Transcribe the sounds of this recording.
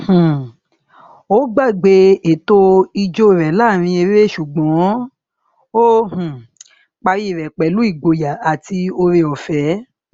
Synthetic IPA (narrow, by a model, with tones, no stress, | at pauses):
h̩˨ | o˦ɡ͡ba˦˨ɡ͡be˧e˨to˧i˧d͡ʒo˦˨ɾɛ˨la˦˨ɾ̃ĩ˧e˧ɾe˦ʃu˨ɡ͡bɔ̃˨˦ | o˦hũ˨ | k͡pa˧ɾi˦˨ɾɛ˨k͡pɛ˨lu˨˦i˦˨ɡ͡bo˧ja˨a˨ti˧o˧ɾe˧ɔ˨fɛ˨˦